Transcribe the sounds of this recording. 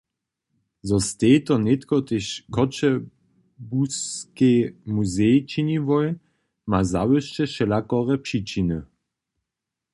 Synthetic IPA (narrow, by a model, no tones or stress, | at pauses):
zɔst̪eːt̪ɔnet̪kɔt̪eɕkʰɔt͡ʃɛ | buskemuzɛjt͡ʃinivɔj | mazawəʃt͡ʃɛʃɛlakɔʁɛpʃit͡ʃinə